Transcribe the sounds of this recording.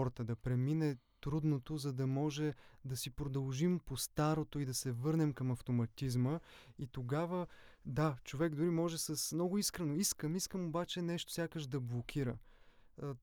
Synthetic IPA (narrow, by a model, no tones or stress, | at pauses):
ɔɾt̪əd̪ɐpɾɛminɛt̪ɾud̪not̪ozɐd̪ɐmɔʒɛd̪ɐsipɾod̪ɐlˠʒimpost̪aɾot̪oid̪ɐsɛvɤɾnɛmkɐmɐft̪omɐt̪izməit̪oɡavəd̪at͡ʃovɛɡd̪ʊɾimɔʒɛsəsmnɔɡʊiskɾɛnoiskəmiskəmobat͡ʃɛnɛʃt̪o̥sʲjakəʒd̪ɐblˠokʰʲiɾə